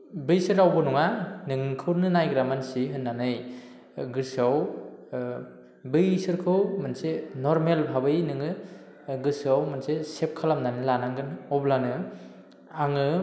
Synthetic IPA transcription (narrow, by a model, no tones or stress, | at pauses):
bɯjsɯɾawbɔnuŋanɯŋkʰɯwnɯnajɡɾamansiɦɯnːanɯj | ɡɯɾsaw | bɯjsɯɾkʰɯwmansenɔɾmelbʱabɯjnɯŋɯ | ɡɯsawmansesep̚kʰalamnanɯlanaŋɡɯnɔblanɯ | aŋɯ